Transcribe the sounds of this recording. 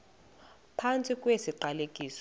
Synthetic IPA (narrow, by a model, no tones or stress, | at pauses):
pʰant͡sʼikʼwesiǃalekʼiːs